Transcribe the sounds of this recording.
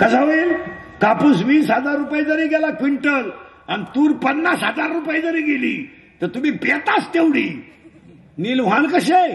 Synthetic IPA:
kəd͡zaʋil | kapuːsʋiːsɦəd͡zaɾːupajd͡zəɾiːɡɛlakʋiɳʈəl | anit̪uːɾpənːasɦəd͡zaɾːupajd͡zəɾiːɡelḭː | t̪əɾt̪um̤iːpet̪ast̪ewɽiː | nilʋ̤ãnkəɕe

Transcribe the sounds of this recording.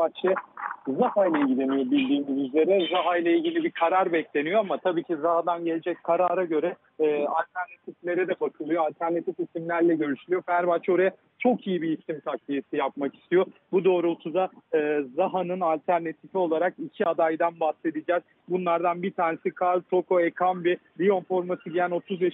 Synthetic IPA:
bat͡ʃɯzahajlʲaɟid̪e̞nijo̞bilʲd̪iːmizyze̞ɾɛzaɦajlʲˠailʲɟilʲibikʰaɾaɾbɛclʲe̞nijoamat̪ʰabiːcʰizaɦad̪anɟe̞lʲed͡ʒɛc̚kʰaɾaːɾaɟø̞ɾɛː | alʲt̪ʰæɾnat̪ʰiflʲe̞ɾɛd̪ɛbakʰɯlˠɯjoalʲt̪ʰæɾnat̪ʰifisimlʲæɾlʲɛɟø̞ɾyʃylʲyjo̞fæɾbat͡ʃo̞ɾaja | t͡ʃʰo̞kijibiːsimt̪ʰak̚lʲijesijap̚maki̥st̪ʰijo̞bud̪o̞ːɾuot̪ʰuzaɯːzaɦanɯnalʲt̪ʰæɾnat̪ʰifio̞lˠaɾakicʰiad̪ajd̪anbahse̞d̪id͡ʒɛz̥ | bunlˠaɾd̪anbit̪ʰaːnesikʰalʲt̪ʰo̞kʰoekʰambibijo̞nfo̞ɾmasɯɟijæno̞t̪ʰuzbeʃ

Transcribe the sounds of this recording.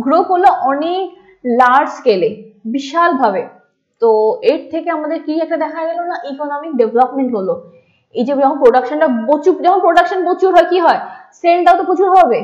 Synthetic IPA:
ɡɾokoɾloʔɔnik | laɾɖskelebiʃalbʱabe | t̪oeɾt̪ʰekeamad̪eɾkiɛk̚ʈad̪ɛkʰaɡɛlonaʔikonɔmik̚ɖevlɔpmeɳʈɦolo | ejd͡ʑeɔkʰonpɾoɖakʃonʈabot͡ɕud͡ʑɔkʰonpɾoɖakʃonpot͡ɕuɾɦɔekiɦɔeselʈat̪opot͡ɕuɾɦɔbe

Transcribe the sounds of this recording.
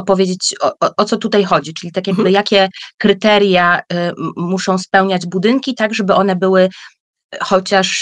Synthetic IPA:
ɔpɔvʲjed͡ʑet͡ɕɔʔɔt̪sɔt̪ut̪ajxɔd͡ʑit͡ʂɘlʲit̪akʲjaɡbɘjakʲɛkɾɘt̪ɛɾja | muʂɔ̃w̃spɛwɲad͡ʑbud̪ɘŋkʲit̪aɡʐɛbɘʔɔnɛbɘwɘ | xɔt͡ɕaʂ

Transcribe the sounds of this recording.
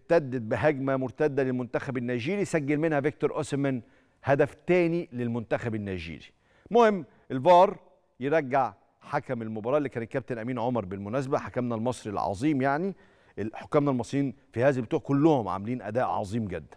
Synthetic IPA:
t̪æd̪ːed̪̚bɪɦæɡmæmʊɾt̪æd̪ːælelmʊnt̪æxæbenːæːʒiːɾisæɡːelmenhævek̚t̪oɾˤʔosmæn | hæd̪æft̪æːnilelmʊnt̪æxæbenːæʒḭːɾi | mohɪmː | ʔelvɑːɾˤ | jeɾˤɑɡːaʕ | ħakæmelmobɑɾˤɑːʔlːikæːnet̪̚kæp̚t̪enʔæmiːnʕomɑɾˤbelmʊnæːs̬abæħakæmnælmɑsˤɾilʕɑ̰zˤiːmjaʕni | ʔħo̥kːæːmnælmɑsˤɾijiːnfihæːzælbet̪uːʕkolːʊhomʕa̰mæliːnʔæ̰d̪æːʔʕɑ̰zˤiːmɡed̪ːæ̥nn

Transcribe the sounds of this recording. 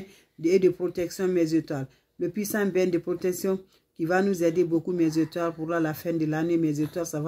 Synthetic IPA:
ed̪əpɾot̪ɛksjɔ̃mɛzet̪wal | ləpɥisãbjɛ̃d̪əpɾot̪ɛksjɔ̃ | kivanuzɛd̪ebokumɛzet̪walpuɾlalafɛ̃d̪əlanemɛzet̪walsav

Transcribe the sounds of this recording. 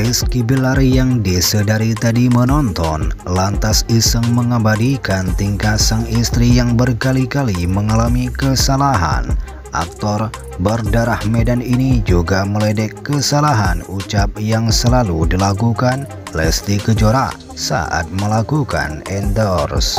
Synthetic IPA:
iskibilaɾijaŋdisədaɾit̪adimənɔnt̪ɔnlant̪asisəŋməŋəbadikant̪iŋkatsəŋist̪ɾijaŋbərkalikaliməŋalamikəsalaɦa̰n | ʔa̰k̚t̪ɔr | bərdaɾahmedaninid͡ʒuɡaməlɛdɛkːəsalaɦanut͡ʃap̚jaŋsəlaludilakukan | lɛslikəd͡ʒoɾa | sa̰ʔa̰t̪̚məlakuka̰nɛndɔrs

